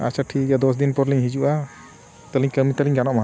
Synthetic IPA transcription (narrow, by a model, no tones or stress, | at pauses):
a̰saʈʰiɡad̪ɔs̬d̪inpɔɾliɲɦid͡ʒuʔa | t̪əliɲkəmit̪əliɲɡanɔʔmaɦ